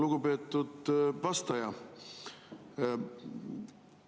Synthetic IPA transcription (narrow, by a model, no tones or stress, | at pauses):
luɡ̥upe̞ːt̪ˑːud̪̥vɑst̪ɑjɑ